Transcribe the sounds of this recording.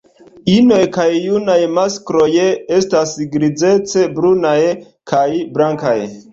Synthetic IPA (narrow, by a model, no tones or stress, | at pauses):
ino̞jkajːunajmaskɾojeestasɡɾid͡ze̞t͡se̞bɾunaj | kʰajbɾaŋka̰j